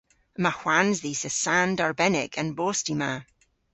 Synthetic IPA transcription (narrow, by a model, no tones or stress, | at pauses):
mahw̥anzðisəsãndaɹbɛnɪ̰kʰə̃nbostima